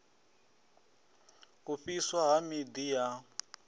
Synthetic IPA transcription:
kuɸiswaɦamid̪ija

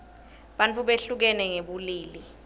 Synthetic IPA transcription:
ɓant͡fʰʼuɓeɬuk̬ɛnɛŋeɓuliːli

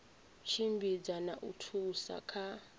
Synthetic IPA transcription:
t͡ʃʰimbid͡zanaʔutʰusa̰kʰa

